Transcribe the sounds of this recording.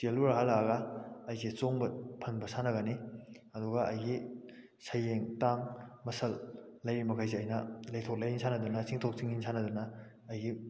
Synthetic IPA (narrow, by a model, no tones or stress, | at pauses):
t͡ʃeluɾaɦalaɡɐɐjset͡ʃoŋbɐpʰɐnbɐsanɐɡɐni | ɐduɡɐʔɐ̰jɡi | sɐjeŋtaŋmɐsɐlːɐjɾimɐkʰajzeɐjnɐlɐjtʰok̚lɐjinsʰanɐd̪unɐsiŋtʰok̚siŋinsʰanɐdunɐː | jɡi